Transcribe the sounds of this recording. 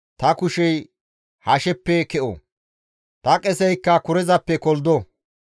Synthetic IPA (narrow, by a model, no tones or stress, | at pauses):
t̪ɐkʊʃɛj | hɐʃɛpːɛkɛʔɔ̰ | t̪ɐkʼɛsɛjkːɐkʊɾɛzɐpːɛkɔld̪ɔ